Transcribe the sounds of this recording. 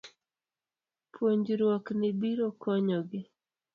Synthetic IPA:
pʰwoɲd͡ʒɾwɔknɪbiɾɔkʰɔɲɔɡɪ

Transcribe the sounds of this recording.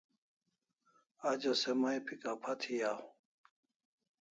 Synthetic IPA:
ad͡ʑosemɐjpʰikapʰɐt̪ʰijaːhũ

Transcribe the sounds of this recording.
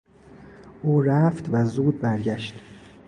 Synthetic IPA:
ʔuːɾæft̪væzuːd̪̚bæɾɟæʃt̪

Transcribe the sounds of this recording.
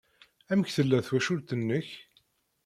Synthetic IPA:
æməçθəlːæθwæʃʊlt̪ənːəç

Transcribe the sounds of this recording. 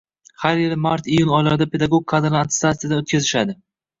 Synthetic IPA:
haɾjɪlɪmaɾt̪ijʊnɒjɪlaɾɪd̪apʰe̞d̪aɡoɡ̚kʰːad̪ɾlˠant̪st̪at̪sijad̪aot̪kʲʰazɪʃad̪ɪ

